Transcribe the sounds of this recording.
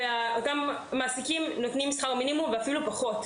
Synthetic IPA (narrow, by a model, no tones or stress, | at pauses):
eaotamː | aːsikimno̞tnimsχaʁminimumveafilupaχo̞t